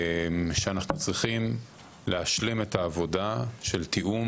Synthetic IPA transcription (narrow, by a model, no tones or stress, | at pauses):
ʃeanaχnut͡sʁiχim | leaʃlime̞taːvo̞daʃelt̪iʔum